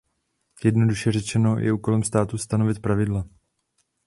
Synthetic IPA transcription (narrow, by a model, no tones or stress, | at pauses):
jɛdno̞duʃɛr̝ɛt͡ʃɛno̞jʔɛ̰ʔuːko̞lɛmst̪aːt̪ust̪ano̞vɪt̪̚pɾavɪdla